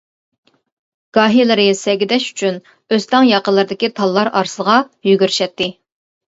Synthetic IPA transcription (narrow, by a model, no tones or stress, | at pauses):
ɡ̥ɑːɦilˠɨɾɨsɛɡʲid̪ɛʃy̥t͡ʃʰyn | øst̪ɑŋjɑqəlːˠɨɾd̪ɪkʲit̪ʰɑlˠːɑɾɑɾsəʁɑjyɡʲyɾʃɛt̪ʰːɪ